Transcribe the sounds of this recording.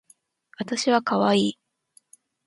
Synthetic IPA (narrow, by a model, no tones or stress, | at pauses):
βat̪aɕiβakaβaiː